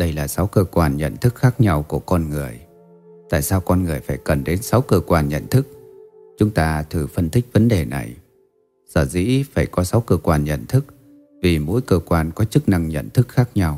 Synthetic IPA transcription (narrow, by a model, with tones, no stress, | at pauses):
ɗə˧jlaː˨˩sa˨˦wkəː˧kwaː˧nɲə̰˧˨nt̪ʰɨ˦˥k̚xaː˦˥k̚ɲa˧wku˧˩əkɔ˧nŋɨ˨˩əj | t̪a̰ː˧˨jsaː˧wkɔ˧nŋɨ˨˩əjfaː˧˩jkə˨˩nɗe˨˦nsa˨˦wkəː˧kwaː˧nɲə̰˧˨nt̪ʰɨ˦˥k̚ | t͡ɕʊ˨˦ŋ͡mt̪aː˧t̪ʰɨ˨˩fə˧nt̪ʰï˦˥k̟̚və˨˦nɗe˨˩na̰˨˩j | səː˧˩zḭ˧˥faː˧˩jkɔ˨˦sa˨˦wkəː˧kwaː˧nɲə̰˧˨nt̪ʰɨ˦˥k̚ | vi˨˩mo̰˧˥jkəː˧kwaː˧nkɔ˨˦t͡ɕɨ˦˥k̚na˧ŋɲə̰˧˨nt̪ʰɨ˦˥k̚xaː˦˥k̚ɲa˧w